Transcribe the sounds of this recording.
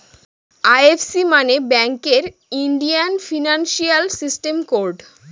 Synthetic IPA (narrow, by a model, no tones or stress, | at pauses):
ajefsimanebɛŋkeɾ | iɳɖianfinanʃialsisʈemkoɾɖ